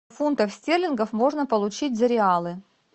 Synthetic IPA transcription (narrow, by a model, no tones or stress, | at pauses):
funt̪əfsʲtʲelʲɪnɡəfmo̞ʐnəpəlˠʊt͡ɕit̚ʲzəɾʲɪalˠɨ